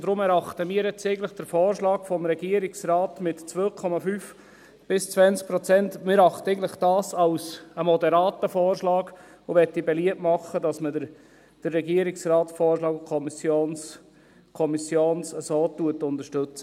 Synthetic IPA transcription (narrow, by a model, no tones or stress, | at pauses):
d̥ɾʊmɛɾɑχt̪əmiəɾɛt͡sɛɪən̩tləχd̥əɾfɔːɾʃlɑːkfɔmɾɛɡiəɾɪksrɑːtmɪtːt͡sʋøːkʰɔmɑfyːf | b̥ɪst͡sʋænt͡sk̚pɾɔt͡sɛntmɪɾɑχtəɛɪɡŋn̩tləχd̥ɑːsɑlsəmɔdɛɾɑːtəfɔːɾʃlɑːɡ | oʋɛtːibɛliətmɑχədɑsmədə | d̥ərːɛɡiəɾɪksrɑːtfɔːɾʃlɑːɡkʰɔmisjoːns | kʰɔmisjoːnsəsoːtuətʊnd̪əʃtɵt͡sə